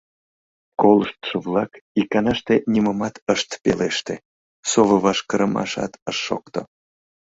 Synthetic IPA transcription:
kolˠəʃt̪ʃəvlˠɑkikɑnɑʃt̪enʲiməmɑt̪əʃt̪peleʃt̪ḛ | soβə̆βɑʃkəɾəmɑ̰ʃɑ̰t̪əʃːo̰k̚t̪o̰

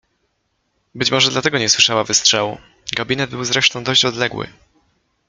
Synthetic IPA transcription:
bɘt͡ɕmɔʐɛd̪lat̪ɛɡɔɲɛswɘʂawavɘstʂɛwṵ | ɡabʲinɛd̪̚bɘwzɾɛʂt̪ɔ̃w̃d̪ɔɕt͡ɕɔd̪lɛɡwɘ̰

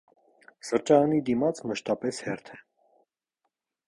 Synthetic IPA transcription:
səɾt͡ʃɑnid̪imɑt͡sməʃt̪ɑpɛshɛɾt̪ʰɛ

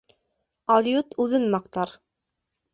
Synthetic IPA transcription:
ɑlʲjut̪ʉðɘnmɑq̚t̪ɑɾ

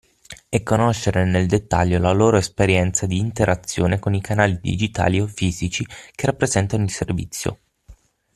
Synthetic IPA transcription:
ɛkːonoʃːeɾeneld̪et̪ːa̰ʎːolaloːɾoespeɾjɛnt̪sad̪iːnt̪eɾʔat̪sːjoːnekonikʰanaːlid̪ḭd͡ʒit̪a̰ːliofiːzit͡ʃikerapːɾezɛnt̪anoilservḭt̪sːjo̰

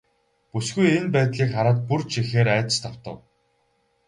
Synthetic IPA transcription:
pusɡujenpæːt̪ɮiːkχaɾaːt̪̚purt͡ɕʰixeːɾæːt̪ə̥̆st̪ʰaw̥t̪ə̆w

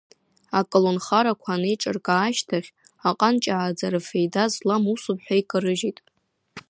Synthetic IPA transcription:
akʼolonχaɾakʷʰanejʈ͡ʂʼɨ̰rkʼaːʃtʰaχʲ | aqʼant͡ʃʼaʕːd͡zaɾɨfejdazlamusʊpʰħʷᶣaikʼɨɾɨʒitʼ

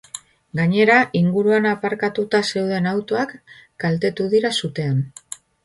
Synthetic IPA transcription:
ɡaɲe̞ɾaʔiŋɡuɾuanapaɾkat̪ut̪ase̞wðe̞nawt̪oakɡ̥alt̪e̞t̪uðiɾasut̪e̞an

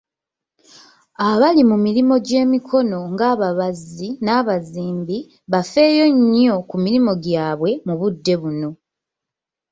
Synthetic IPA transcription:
aβalimumiɾimo̞ɟe̞ːmikʰo̞no̞ŋɡaːβaβazinaːβaziːmbi | βafe̞ːjo̞ɲo̞kumiɾimo̞ɡjaːβwe̞muβudːe̞βuno̞

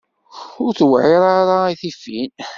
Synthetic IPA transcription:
ʊɾθwʕɪɾaɾaiθifːin

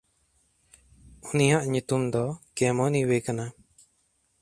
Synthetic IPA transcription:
unijaʔɲut̪umd̪ɔkɛmɔniwekana

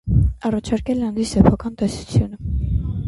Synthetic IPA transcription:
ɑrɑt͡ʃʰɑɾkɛlɛɑnd̪issɛpʰɑkɑnt̪ɛsu̥t͡sʰjunə

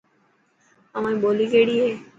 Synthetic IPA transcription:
əʋãĩːɓoːliːkeːɽiːɦeː

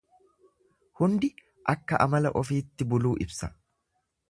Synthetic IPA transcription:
hʊnd̪ɪ | ʔɐkːɐʔɐmɐlɐʔɔfiːt̪ːɪbʊluːʔɪbsɐ

